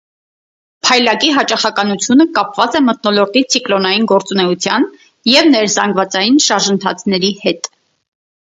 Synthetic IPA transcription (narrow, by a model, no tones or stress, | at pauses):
pʰɑjlɑkiɦɑt͡ʃɑχɑkɑnut͡sʰjunəkɑpvɑt͡sɛmət̪̚nɔlɔɾt̪it͡sʰiklɔnɑjinɡɔɾt͡sunɛut͡sʰjɑn | jɛvnɛɾzɑŋɡvɑt͡sɑjinʃɑɾʒənt̪ʰɑ̰t͡sʰnɛɾihɛt̪